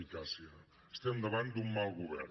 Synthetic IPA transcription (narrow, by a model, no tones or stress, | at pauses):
ikasia | st̪end̪əβant̪d̪uŋmawɣuβɛ̰ɾ